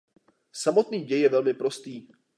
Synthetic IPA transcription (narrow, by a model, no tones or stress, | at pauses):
samo̞t̪niːɟɛjɛvɛlmɪpɾo̞st̪iː